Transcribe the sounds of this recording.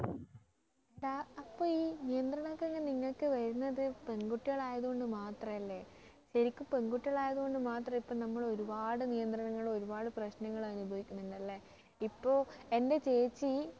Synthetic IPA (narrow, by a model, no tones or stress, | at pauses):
edaɐpːo̞ːiːnijɐnd̪rɐɳokːeŋːeniŋːɐɭkːɨʋɐɾunːɐðɨpe̞ŋɡuʈːiɣɐɭaːjɐðuɣo̞ɳɖɨmaːt̪rɐmɐlːe̞ | ɕɐɾikʲːumpeŋɡuʈːiɣɐɭaːjɐðuɣo̞ɳɖɨmaːt̪rɐmipːoːnɐmːɐɭo̞ɾubaːɽɨnijɐnd̪rɐɳɐŋːɐɭo̞ɾubaːɽɨprɐɕnɐŋːɐɭɐnubʱɐʋikʲːunːuɳɖɐlːe | ipːo̞ːe̞nde̞t͡ɕe̞ːt͡ɕːɨ